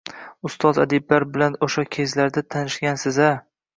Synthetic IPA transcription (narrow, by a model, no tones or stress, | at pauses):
ʊst̪ɒza̰d̪ɪbːaɾbɪlanoʃakʲʰe̞zlaɾd̪at̪ʰanɪʃɡʲansɪza